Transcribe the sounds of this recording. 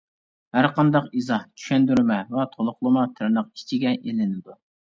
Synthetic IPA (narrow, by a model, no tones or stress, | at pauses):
hæɾqʰɑnd̪ɑqizɑht͡ʃʰy̥ʃɛnd̪yɾmɛvɛt̪ʰolˠʊχlˠəmɑt̪ʰɪɾnəqi̥t͡ʃʰiɡʲɛʔelɪnɪd̪u